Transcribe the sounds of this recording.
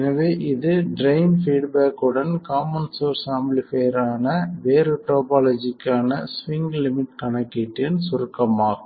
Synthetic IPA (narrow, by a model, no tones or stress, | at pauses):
ɛnɐʋeːʔɪðɯɖɾɐɪnfiːɖbaːkɯɽɐnkaːmɐnsoːɾsaːmblɪfeːɾaːnɐʋeːɾɯʈoːpaːlod͡ʒɪkːaːnɐsʋɪŋɡlɪmɪʈkɐɳɐkːɪʈːɪnsʊɾɯkːɐmaːɣɯ